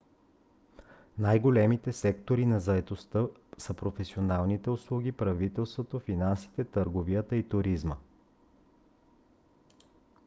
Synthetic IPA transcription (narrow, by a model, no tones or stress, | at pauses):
najɡolɛmit̪ɛsɛkt̪oɾinɐzɐɛt̪ost̪ə | səpɾofɛsionalˠnit̪ɛʊslˠuɡʲipɾɐvit̪ɛlˠst̪vot̪ofinansi̥t̪ɛt̪əɾɡovijət̪əit̪ʊɾizmə